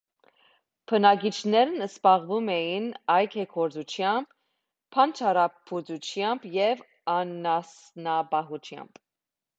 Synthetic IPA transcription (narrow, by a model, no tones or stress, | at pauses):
pʰənɑɡit͡ʃʰnɛɾnəspɑʁvumɛjinɑjkʰɛkʰɔɾd͡zut͡ʃʰjɑmb̥ | pʰːɑnt͡ʃʰɑɾɑpʰut͡sut͡ʃʰjɑmbjɛv | ɑnɑsnɑbɑɦut͡ʃʰjɑ̰mb̥